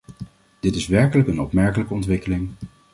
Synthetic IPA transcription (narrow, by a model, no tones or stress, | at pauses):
d̥ɪtɪsʋɛɹkələkənɔpmɛɹkələkəɔntʋɪkəlɪŋ